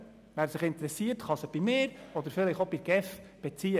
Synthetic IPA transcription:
ʋæɾsɪχɪnt̪əɾɛsiəɾtχɑsəb̥imɪːɾɔd̪əɾfɪlɪχobɪɡ̥ɛfb̥ɛt͡siə

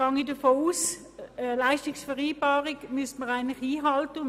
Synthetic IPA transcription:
ɑŋidəɐfoːuːs | laɪʃtɪksfəʁiːbaːʁɪkmystməʁaɪnlɪχiːɦɑltə

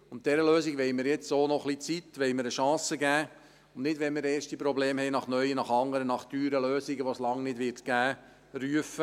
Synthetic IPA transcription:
ʊnt̚d̥ɛɾəløːziɡʋɛɪmɪɾjɛt͡ssoːnɔχlit͡sit̪ːʋɛɪməɾəʃɑ̃ːsəɡæː | ʊnnɪdʋɛnmɪɾeːʃtipɾɔbleːmhɛɪnɑχnœjənɑχɑŋːəɾənɑχd̥yːɾəløːsɪɡəʋoslɑŋnɪdʋɪɾrtɡ̥æː | ryəfə

